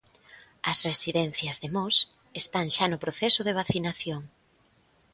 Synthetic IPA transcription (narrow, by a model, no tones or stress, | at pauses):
ɐsresiðɛn̟θjɐzðemɔs | est̪aŋʃanʊpɾoθesʊðeβ̞aθinaθjoŋ